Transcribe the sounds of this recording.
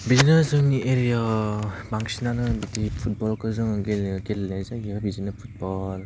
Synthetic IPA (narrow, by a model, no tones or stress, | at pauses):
biznesɯŋiʔeɾijabaŋsinanɯbitipʰut̚bɔlkɯzɯŋɡelɡelnezaɡiɔbizinɯpʰut̚bɔl